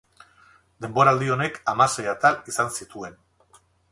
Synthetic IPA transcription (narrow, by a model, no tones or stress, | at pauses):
d̪e̞mbo̞ɾaːld̪io̞ne̞kamasejat̪alisansit̪ue̞n